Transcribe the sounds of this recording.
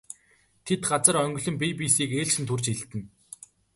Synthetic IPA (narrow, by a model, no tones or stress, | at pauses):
t̪ʰet̪ɢat͡sə̆rœŋɡɵ̆ɮɵ̆mpip̬iːsiːkeːɮt͡ɕɘ̆nt̪ʰurt͡ɕiɮt̪ɘ̆n